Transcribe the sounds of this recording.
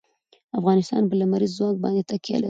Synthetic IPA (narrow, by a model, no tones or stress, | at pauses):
afɣɑnɪst̪ɑ̰nbəlamaɾizːwɑŋɡ̚bɑ̰nd̪et̪akja̰la